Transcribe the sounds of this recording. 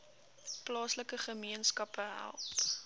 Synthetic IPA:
plɑːsləkəχəmiənskɐpəɦæ̰lˠt

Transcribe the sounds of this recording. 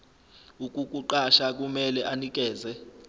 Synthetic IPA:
uk̬ʼuk̬ʼuǃaʃak̬ʼumɛlɛʔanik̬ʼɛːzɛ

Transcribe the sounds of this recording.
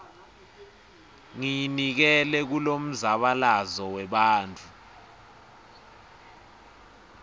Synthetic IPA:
ŋijnik̬ɛlɛk̬ulom̩zaɓalazɔwɛɓaːnt͡fʰu

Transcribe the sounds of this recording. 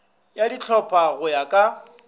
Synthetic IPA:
jadit͡ɬʰɔpʰʼaɣʊjakʼa

